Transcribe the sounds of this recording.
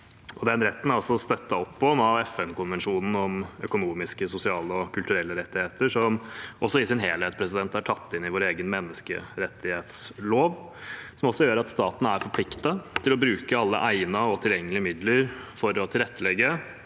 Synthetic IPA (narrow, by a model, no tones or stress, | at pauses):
ʔɔd̪ɛnɾɛt̪ːn̩æɾɔsɔst̪œt̪ːɑɔpːɔmɑɛfɛnkʊnʋɛnʂuːnn̩ɔmœkʊnuːmɪskəsʊsɪɑːləɔkʰʉlt̪ʉɾɛlːəɾɛt̪ːɪheːt̪əʂɔmʔɔsːɔɪsɪnɦeːlheːt̪spʰɾɛsɪd̪ɛnt̪æʈʰɑt̪ːɪnɪʋoːɾeːɡənmɛnːəskə̰ɾɛt̪ʰːɪheːt̪sloːʋ | sɔmɔsːɔjøːɾəɾɑt̪st̪ɑːt̪n̩æɾfɔɾpʰlɪkt̪ət̪ʰɪlɔbɾʉːkəɑlːə̰ʔæɪnɑɔt̪ʰɪljɛŋːəlɪəmɪd̪ləɾfɔɾɔt̪ʰɪlɾɛt̪ːəlɛɡːə